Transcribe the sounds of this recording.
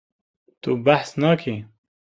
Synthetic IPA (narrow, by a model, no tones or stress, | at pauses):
t̪ubaħsnaːkʰi